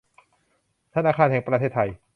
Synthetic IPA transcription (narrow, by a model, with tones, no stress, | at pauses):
t̪ʰa˧naː˧˩kaː˧nhɛ˩˦ŋpɾa˧t̪ʰeː˥˩t̪ʰːa˧j